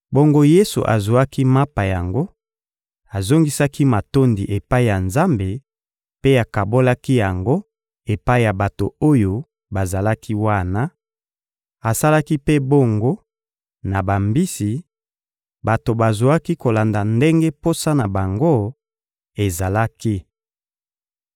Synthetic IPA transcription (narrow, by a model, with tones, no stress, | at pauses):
bo˦ŋɡo˦je˦sṵ˨ʔa̰˨zu˨a˦ki˦ma˦pa˨ja˨ŋɡo˦ | a˨zo˦ŋɡi˦sa˦ki˦ma˨to˦ndi˨ʔe˨pa˦i˦˨ja˨nza˦mbe˨ | pe˦a˨ka˨bo˦la˦ki˦ja˨ŋɡo˦ | e˨pa˦i˦ja˨ba˨to̰˨o˦jo˦ | ba˨za˨la˦kʰi˦wa˦na˦ | a˨sa˦la˦ki˦pe˦bo˦˨ŋɡo˦ | na˨ba˨mbi˦si˨ | ba˨to˨ba˨zo˨a˦ki˦ko˨la˨nda˨nde˦ŋɡe˦po˦sa˦na˨ba˨ŋɡo˦ | e˨za˨la˦ki˦